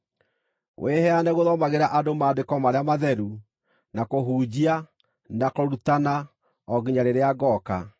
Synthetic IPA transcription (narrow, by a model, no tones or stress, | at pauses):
wʔehɛanɛɣoðɔmaɣeɾaʔadomaːdekɔmaɾeamaðɛɾu | nakoɦuːd͡ʑia | nakoɾutana | ɔɣiɲaɾeɾeaɡɔka